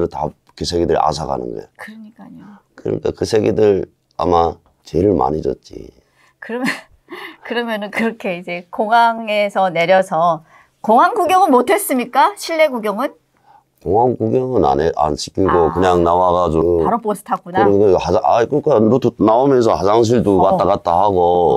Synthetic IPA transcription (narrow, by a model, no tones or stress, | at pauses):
ɾɯta | kɯsʰe̞ɡedɯɾa̰sʰaɡa̰nɯ̰nɡʌ̰jekɯɾɯɲik͈aɲokɯɾʌ̰ɲḭk͈a̰kɯsʰe̞ɡedɯɾ | a̰ma | t͡ɕeɾɯɭma̰ɲid͡ʑʌ̰t̚t͡ɕ͈ḭ | kɯɾʌmjʌ | kɯɾʌmjʌnɯnkɯɾʌkʰe̞id͡ʑe̞koŋaŋe̞sʰʌne̞ɾjʌsʰʌ | koŋɦanɡuɡjʌŋɯnmotʰe̞s͈ɯmɲik͈aɕʰiɭːe̞ɡuɡjʌŋɯn | koŋɦaŋkuɡjʌŋɯna̰neʔa̰nɕʰi̥k͈ʰiɡokɯɲaŋnawaɡad͡ʑuaɾoposʰɯ̥tʰak͈unaɯɾkhaaakɯk͈anutunaomjʌns̬ʰʌhad͡ʑaŋɕ̬ʰiɭdukat͈akat̚t͈ahaɡo